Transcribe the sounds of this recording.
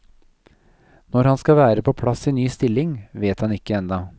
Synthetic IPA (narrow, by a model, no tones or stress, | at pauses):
nɔɾhɑnskɑʋæːɾəpʰoːpʰlɑsɪnyːst̪ɪlːɪŋʋeːt̪hɑnɪkːəɛnd̪ɑ